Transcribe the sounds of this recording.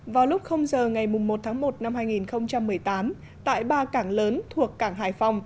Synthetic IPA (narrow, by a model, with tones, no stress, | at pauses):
vaː˨˩wlʊ˦˥k͡p̚xə˧wŋ͡mzəː˨˩ŋa˨˩jmʊ˨˩ŋ͡mːo˨˩t̚t̪ʰaː˨˦ŋmo˨˩t̚na˧mhaː˧jŋi˨˩nxə˧wŋ͡mt͡ɕa˧mːɨ˨˩əjt̪aː˨˦m | t̪a̰ː˧˨jɓaː˧kaː˧˩ŋləː˨˦nt̪ʰu˨˩əkːaː˧˩ŋɦaː˨˩jfa˧wŋ͡m